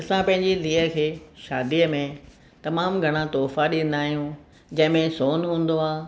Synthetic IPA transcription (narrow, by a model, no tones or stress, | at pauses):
ɐsãpɐ̃ɦɪ̃ɲd͡ʑiliːəkʰeːʃaːd̪iːəmẽ | t̪ɐmaːmɡʱɐɽ̃ãt̪oːfaɗĩn̆d̪aːɦijũ | d͡ʑɐ̃ɦɪ̃mẽsoːnɦũːn̆d̪oaː